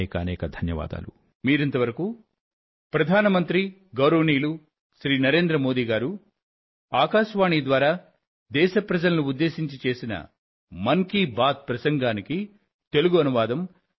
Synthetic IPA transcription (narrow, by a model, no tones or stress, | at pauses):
kɐɐnɛːkɐd̪ʱɐnjɐʋa̰ːd̪a̰ːlu | miːɾɐnt̪ɐʋɐɾɐku | pɾɐd̪ʱaːnɐmɐnt̪ɾi | ɡɐwɾɐʋniːlu | ʃɾiːnɐɾe̞ːnd̪ɾɐmo̞ːd̪iːɡaːɾu | aːkaːʃʋaːɳid̪ʋaːɾaː | d̪ɛːʃɐpɾɐd͡ʒɐlɐnuud̪ːe̞ːʃiɲt͡ʃit͡ʃe̞ːsinɐ̰ | mɐŋkibaːt̪̚pɾɐsɐŋɡaːniki | t̪e̞luɡuɐnuʋaːd̪ɐm